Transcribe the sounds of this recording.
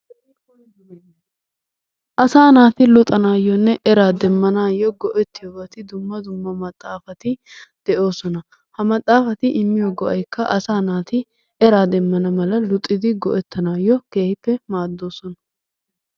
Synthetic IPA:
ʔɐsaːnaːt̪ɪlʊt̪ʼɐnaːjːɔnːɛʔɛɾaːd̪ɛmːɐnaːjːɔɡɔʔɛt̪ːɪjɔbɐt̪ɪd̪ʊmːɐd̪ʊmːɐmɐt̪ʼːaːfɐt̪ɪ | d̪̥ɛʔo̞ːsɔnɐ | hɐmɐt̪ʼːaːfɐt̪ɪʔɪmːɪjɔɡɔʔɐjkːɐʔɐsaːnaːt̪ɪ | ɛɾaːd̪ɛmːɐnɐmɐlɐlʊt̪ʼːɪd̪ɪɡɔʔɛt̪ːɐnaːjːɔke̞ːhɪpːɛmaːd̪ːo̞ːsɔnɐ

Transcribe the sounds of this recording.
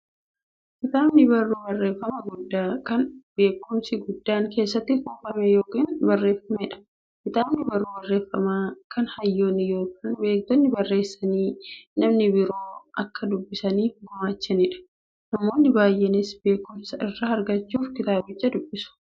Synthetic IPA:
kɪt̪aːbnɪbɐrːuːbɐrːe̞ːfːɐmɐɡʊd̪ːaːkɐnb̥e̞ːkːʊmsɪɡʊd̪ːaːŋke̞ːs̬ːɐt̪ːɪfuːfɐmɛjoːkiːnbɐrːe̞ːfːɐmɛᶑɐ̥ | kɪt̪aːbnɪbɐrːuːbɐrːe̞ːfːɐmaːkɐnhɐjːo̞ːnːɪjo̞ːkʰiːnbe̞ːk̚t̪ɔnːɪbɐrːe̞ːsːɐniːnɐmnɪbɪɾo̞ːɐkːɐd̪ʊbːɪsɐniːfɡʊmaːt͡ʃːɛnɪᶑɐ̥ | nɐmo̞ːnːɪbaːjːɛnɪsbe̞ːkːʊmsɐɪrːɐɐɾɡɐt͡ʃːuːfkɪt̪aːbɪt͡ʃːɐd̪ʊbːɪsʊ̥

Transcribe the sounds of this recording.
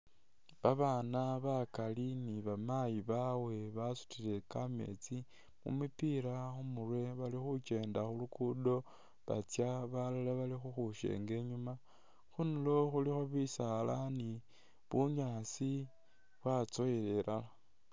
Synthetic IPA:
βaβaːnaβakaliniβamajiβawe̞βasu̥tile̞kame̞̰t͡si | mṵmupiɾaxumurwe̞βalixut͡ʃe̞ːndaxulukudo̞ | βa̰t͡sjaβalolaβalixuxuʃe̞̰ːŋɡe̞ɲuma | xunulo̞xulixoβisalani | βuɲaːsi | βwat͡so̞jele̞lala

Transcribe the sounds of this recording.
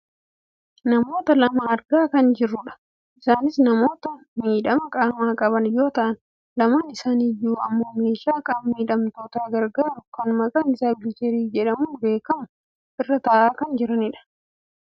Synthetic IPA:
nɐmo̞ːt̪ɐlɐmɐɐɾɡaːkɐnd͡ʒɪrːʊᶑɐ̥ | ʔɪsaːnɪsnɐmo̞ːt̪ɐ | miːᶑɐmɐkʼaːmaːkʼɐβɐnjo̞ːt̪ɐʔɐn | lɐmɐnɪsaːnijuːɐ̰mːo̞ːmeːʃaːkʼamːiːᶑɐmt̪o̞ːt̪aːɡɐɾɡaːɾʊkɐnmɐkʼɐnɪsaːbɪɪt͡ʃ̪eɾiːd͡ʒɛᶑɐmuːbe̞ːkɐmʊ | ʔɪrːɐt̪ɐʔaːkɐnd͡ʒɪɾɐnɪᶑɐ̥

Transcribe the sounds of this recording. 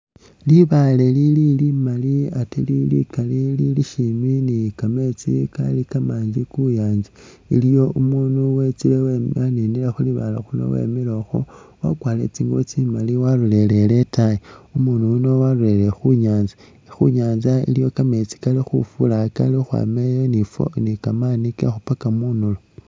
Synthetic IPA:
liβalelililimaliatililḭkalililiʃiminikamet͡sika̰likamaːɲd͡ʒikujaːɲd͡ʒi | ḭlijo̞umuːnuwe̞t͡sileweaninilexuliβa̰ːlaxuno̰wḛmiloxowa̰kwaːlḛt͡siːŋɡot͡simaliwaɾule̞le̞le̞tajiumunuuno̞waɾule̞lexuɲaːnza | xuɲaːnzaḭlijo̞kame̞t͡si̥kalixṵfulaka̰lixwa̰mejonifo̰nikamanikexupakamunulo

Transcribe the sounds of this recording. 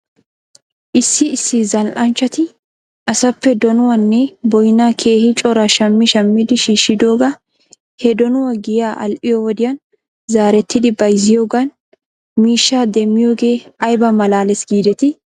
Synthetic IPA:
ʔɪsːɪɪsːɪzɐlʔɐnt͡ʃːɐt̪ɪ | ʔɐsɐpːɛd̪ɔnʊwɐnːɛbɔjnaːkʰe̞ːhɪt͡ʃʼɔɾɐʃɐmːɪʃɐmːɪd̪ɪʃiːʃːɪd̪o̞ːɡɐ | hɛd̪ɔnʊwɐɡɪjaːʔɐ̰lʔɪjɔwɔd̪ɪjɐn | zaːɾɛt̪ʰːɪd̪ɪbɐjzɪjoːɡɐn | miːʃːaːd̪ɛmːɪjo̞ːɡe̞ːɐjbɐmɐlaːlɛsɡiːd̪ɛt̪ɪ

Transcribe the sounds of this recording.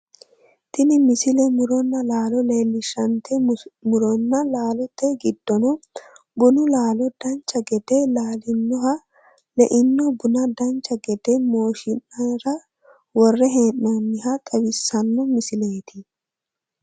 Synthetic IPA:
t̪ɪnɪmɪsɪlɛmʊɾɔnːɐlaːlɔleːlːɪʃɐnt̪ɛmʊɾɔnːɐlaːlɔt̪ːɛɡɪd̪̥ːɔnɔ | bʊnʊlaːlɔd̪̥ɐnt͡ʃːɐɡɛd̪ɛlaːlɪnːɔɦɐ | lɛʔɪnːɔbʊnɐd̪ɐnt͡ʃːɐɡɛd̪ɛmo̞ːʃɪnːɐɾɐ | wɔrːɛɦeːʔnɐnːɪhɐt̪ʼɐbɪsːɐnːɔmɪsɪleːt̪ɪ

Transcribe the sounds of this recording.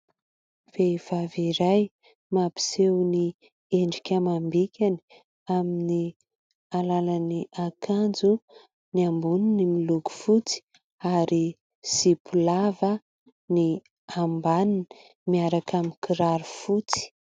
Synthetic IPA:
v̥ev̥aviɾaj | mapi̥sewni | eɳɖ͡ʐikʲəmambikʲani̥ | amini | alalaniʔakʰand͡zu | niambuninimiluɡu̥fut͡si̥ | aɾi | sipʰulavə | ni | ambanini̥ | miaɾakamikʰiɾaɾufut͡si̥

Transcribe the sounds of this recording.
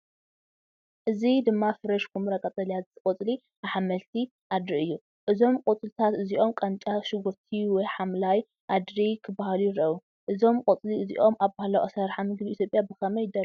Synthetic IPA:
ʔɨzid̪ɨmːafɨɾɐʃkʰumɨɾɐkʼɐt̪ʼɐljazt̪ɨkʼot͡sʼli | aħamɐlt̪ʰi | ʔad̪ɾiʔɨjːu | ʔɨzo̞mkʼot͡sʼlt̪ʰat̪ɨziʔo̞mkʼɐnt͡ʃʼaʃɨɡuɾt̪ʰiwɔjħamlaj | ʔad̪ɾikʰɨbahalujɪɾɐʔu | ʔɨzo̞mkʼot͡sʼliɨziʔo̞mʔaβbahalawʔasɐɾħamɨɡbiit̪ʰjopʼjabɨkʰɐmɐjd̪ɐ

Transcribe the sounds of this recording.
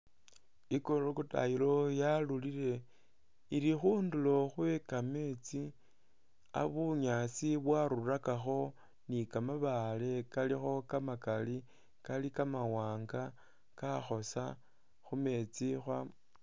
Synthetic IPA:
ikolokuta̰ilo̞jalulile̞ | iɾixuːndulo̞xwekame̞t͡si | a̰βuɲat͡siβwaɾurakaxo̞ | nikamaβale̞kalixo̞kamakali | kalikamawaːŋɡa | kaxo̞sa | xume̞t͡sixwam

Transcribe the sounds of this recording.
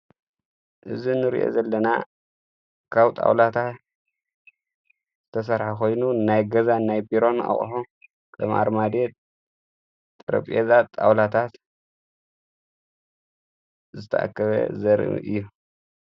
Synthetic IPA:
ʔɨzinɨɾḭʔo̞̰zɐlːɐna̰ | kʰaβt̪ʼa̰wlat̪ʰat̪ | z̥ɨt̪ʰɐs̬ɐɾħakʰo̞jnunajɡɐzanajbiɾo̞na̰χʼħo | kʰɐma̰ɾmad̪et̪ | t̪ʼɨɾɐ̰pʼezat̪ʼːawlat̪ʰat̪ | zɨt̪ʰɐ̰ʔa̰kːɐβɐ̰zɐɾɨ̰m̰ʔɨ̰jːu

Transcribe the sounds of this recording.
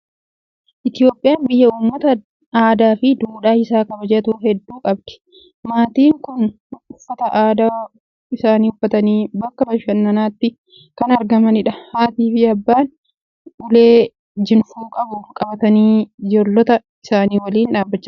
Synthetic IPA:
ʔɪt̪ɪjo̞ːpʼːɪjaːnbɪjːɐuːmːɐt̪ɐ | aːd̪aːfɪd̪uːᶑaːɪsaːkɐbɐd͡ʒɛt̪uːhɛd̪ːuːkʼɐb̚d̪̥ɪ̥ | maːt̪iːŋkʊn | ʊʊfːɐt̪ɐʔaːd̪a | ɪsaːniːhʊfːɐt̪ɐniːbɐkːɐbɐʃɐnːɐnaːt̪ːɪ | kɐnɐɾɡɐmɐnɪᶑɐhaːt̪iːfɪɐbːaːn | ʊleː | d͡ʒɪnfuːkʼɐbʊkʼɐbɐt̪ɐniːd͡ʒolːɔt̪ɐ | ɪsaːniːwɐliːnᶑaːbːɐt͡ʃːɐ̥

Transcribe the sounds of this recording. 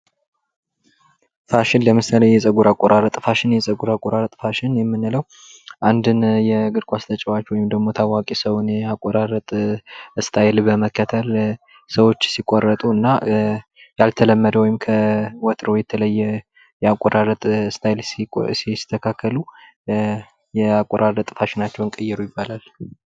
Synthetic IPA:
faʃɪnləmɨsalejɛsʼəɡuɾakʼoɾaɾət̪ʼfaʃɪnjɛsʼəɡuɾakʼoɾaɾət̪ʼfaʃɪnjɛmːɨnːɨləw | ʔand̪ɨnjɛɡɨɾkʷʼast̪ʰət͡ʃʼəwat͡ʃwɔjɪmd̪əɡmo̞t̪ʰawakʼisəwnɛakʼoɾaɾət̪ʼɨst̪ʰajɪlbəməkːət̪ʰəl | səwo̞t͡ʃːsikʷʼːorːət̪ʼuɨnːa | jalt̪ʰələmːəd̪əwɔjɪmkʰəwɔt̪ʼɾojɛt̪ʰələjːɛ | jɛakʼːoɾaɾət̪ʼst̪ʰajɪlssist̪ʰːəkʰakʰːəlu | jɛakʼːoɾʔaɾət̪ʼɨfaʃɪnat͡ʃːɛwɨŋkʼəjːɛɾujɪbːalal

